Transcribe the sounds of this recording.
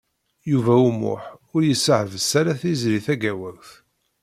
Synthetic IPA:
juvæumʊ̰ħʊɾjəsəʕəvəsːæɾæθizɾiθæɡæwəɾθ

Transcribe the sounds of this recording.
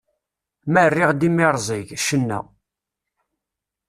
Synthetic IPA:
mærːɪʁd̪imɪɾˤzˤiʝʃənːæ̰

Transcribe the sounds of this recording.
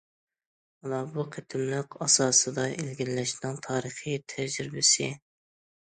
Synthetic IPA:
mɑlˠɑbuqʰet̪ʰɪmlɨqɑsɑːsɨd̪ɑʔelɡʲillɛʃnɪŋt̪ʰɑːɾəχijt̪ʰɛʒɾɾɪbɪsɪ

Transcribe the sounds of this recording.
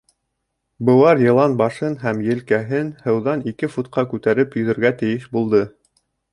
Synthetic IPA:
bɤ̆w̪ˠɑɾjɤ̆lˠɑnbɑʃɤnɦæmjɘ̆lkæɦɘnhɤ̆wðɑnikɘfut̪̚qɑkʉt̪æɾɘpjɵ̆ðɘ̆ɾɡæt̪ɘ̆jɘʃbulˠd̪ɤ

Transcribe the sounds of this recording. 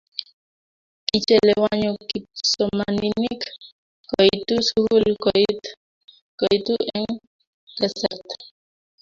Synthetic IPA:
kit͡ʃɛlɛwaɲokip̚somaninik | koit̪usuhulkoi | koit̪uʔɛŋ | kɛsɛt̪

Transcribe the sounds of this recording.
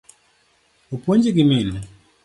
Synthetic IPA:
upɔɲd͡ʒik̬imina

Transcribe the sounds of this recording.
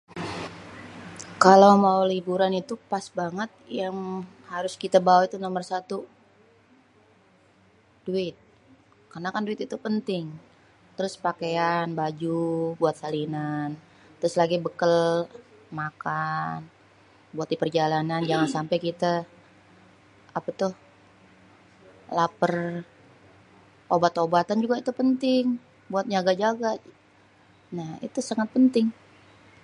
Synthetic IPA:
kalawmaulibuɾanit̪upasbaŋət̪̚jaŋhaɾʊskit̪abawait̪unomərsat̪u | d̥uɪt̪̚ | karnakanduɪt̪it̪upənt̪ɪŋ | t̪əɾʊspakeanbad͡ʒubuat̪̚salinan | t̪əɾʊslaɡibəkəl | makan | buat̪̚dipərd͡ʒalanand͡ʒaŋansampajkit̪a | apat̪ʊh | lapər | ʔobat̪obat̪and͡ʒuɡait̪upənt̪ɪŋ | buat̪̚d͡ʒaɡad͡ʒaɡa | nahḭt̪usaŋat̪̚pənt̪ɪŋ

